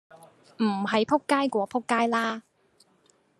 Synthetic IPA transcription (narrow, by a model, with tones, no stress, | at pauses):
m̩˨˩ɦɐ˨˧jpʰʊ˥kːaː˥jkʷɔː˨˥pʰʊ˥kːaː˥jlaː˥